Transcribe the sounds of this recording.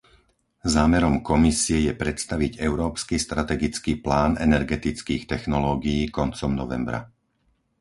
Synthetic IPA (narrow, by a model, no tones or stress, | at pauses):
zaːmɛɾɔmkɔmisiɛjɛpɾɛt̪st̪aʋiɟɛʊɾɔːpskist̪ɾat̪ɛɡit͡skiːplaːnɛ̰nɛɾɡɛt̪it͡skiːxt̪ɛxnɔlɔːɡijiːkɔnt͡sɔmnɔʋɛ̰mbɾa̰